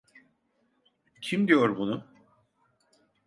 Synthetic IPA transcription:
cʰimd̪ijo̞ɾbunu

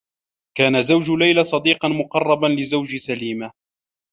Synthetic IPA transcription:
kaːnazawd͡ʒʊlajlasˤɑd̪iːqɑnmʊqɑrˤːɑbanlɪzawd͡ʒsaliːma

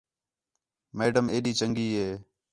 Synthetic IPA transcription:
meːɖəmeːɗiːt͡ʃəŋɡiːɦeː

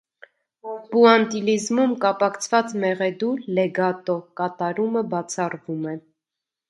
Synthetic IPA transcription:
buɑnt̪ilizmumkɑpɑkt͡sʰvɑt͡smɛʁɛd̪uɾlɛɡɑt̪ɔkɑt̪ɑɾuməbɑt͡sʰɑrvumɛ

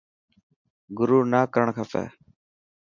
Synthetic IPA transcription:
ɡʊɾuːnaːkəɾəɳkʰafɛ̰ː

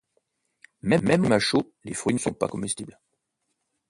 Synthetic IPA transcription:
mɛmːɛməmaʃo | lefχɥinəsɔ̰̃pa̰kɔ̃mɛst̪ibl

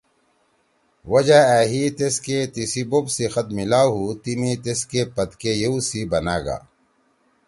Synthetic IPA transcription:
wɐd͡ʑaɛːɦit̪esket̪isibobsexɐt̪milaːɦut̪imit̪eskepɐd̪kejeusibɐnaːɡa̰ː

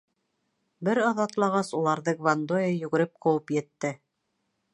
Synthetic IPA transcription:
bɘɾɑðɑt̪lˠɑʁɑsulˠɑɾðɤɡvand̪ojɑjɵ̆ɡɘ̆ɾɘp̚qɤ̆wɤpjɘ̆t̪ːɘ

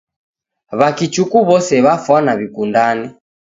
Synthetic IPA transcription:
βakit͡ʃukuβɔsɛβafwanaβikundani

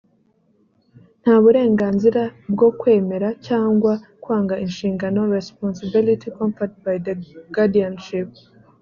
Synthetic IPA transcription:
n̥haːβuɾe̞ːŋɡaːnziɾabɡo̞kwe̞ːme̞ɾacaːŋɡwakwaːŋɡaʔinʃiːŋɡano̞ɾesponsibilitʰikõɱfat̚bajdeɡ̥adianʃip̚

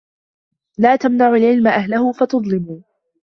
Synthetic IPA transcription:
laːt̪amnaʕʊlʕɪlmaʔaɦlahʊfat̪ʊðˤlɪmuː

